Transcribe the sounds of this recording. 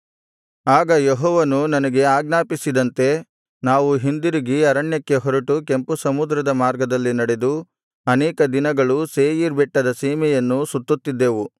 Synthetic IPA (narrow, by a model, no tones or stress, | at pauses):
aːɡɐjeɦɔːʋɐnunɐnɐɡe̞aːɡnaːpisid̪ɐnt̪e̞ | naːʋuɦind̪iɾiɡiɐɾɐɳjɐkːe̞ɦɔɾɐʈuke̞mpusɐmud̪ɾɐd̪ɐmaːɾɡɐd̪ɐlːinɐɽe̞d̪u | ɐnɛːkɐd̪inɐɡɐɭuseːjiɾbɛʈːɐd̪ɐsiːmɛjɐnːusut̪ːut̪ːid̪ːeːʋu